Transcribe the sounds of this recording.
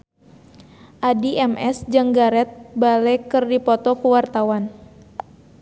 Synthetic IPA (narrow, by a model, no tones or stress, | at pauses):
ʔadiɛmʔɛsd͡ʒɨŋɡaɾɛt̪̚balɛkɨrdipɔt̪ɔkuwart̪awan